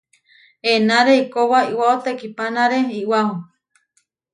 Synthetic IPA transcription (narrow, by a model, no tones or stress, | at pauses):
enaɾeikowaiwaot̪ekipanaɾeiwaho